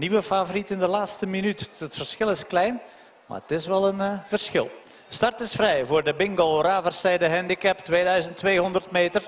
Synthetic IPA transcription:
niʋəfavoɾitɪndəlaːtstəminytətfərsxɪlˠɪsklɛjn | ma̰ːətɪsʋɛlˠənvərsxɪ̰lˠ | stɑrtɪsfrɛjvʊːrdəbɪŋɡolˠraːvərsɛjdəɦɛndikɛptʋeːdœɥzəntʋeːɦɔndərtmeːtər

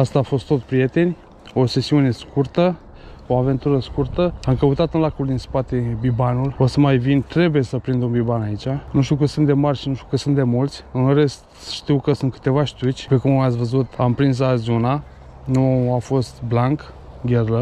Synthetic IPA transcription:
ast̪aːfo̞st̪ːosʲpɾije̞t̪e̞nʲ | o̞se̞siune̞skurt̪ə | o̞ave̞nt̪uɾəskurt̪əamkəut̪at̪ɨnlakuld̪inspat̪e̞bibanulo̞səmajvint̪ɾe̞bujesəpɾind̪umbibanait͡ʃanuʃ̬t̪iukɨt̪sunt̪d̪emarʲʃinuʃt̪iukɨt̪sunt̪d̪e̞mult̪sʲɨnre̞st̪ | ʃt̪iwkəsunt̪kɨ̥t̪e̞vaʃt̪ʲut͡ʃʲpekummat̪sʲvəzut̪ampɾins̬azona | nuafo̞st̪blaŋk | ɡʲerlə

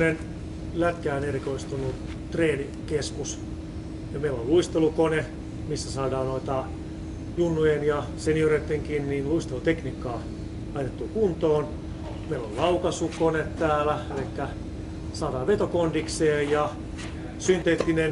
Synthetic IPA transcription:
nen | læt̪kæːnerikoist̪unːu | t̪reːni | keskus | jɑmeilolluist̪elukone | misːæsɑːdɑːnnoit̪ɑ | junːujenjɑsenioret̪ːeŋkinniːnluist̪elut̪ekniːkːɑː | ɑjt̪et̪ːuːkunt̪oːn | meilo̰llɑukɑsukonet̪t̪æːlæelikːæ | sɑːdɑːʋʋet̪okondikseːjjɑ | synt̪et̪ːinen

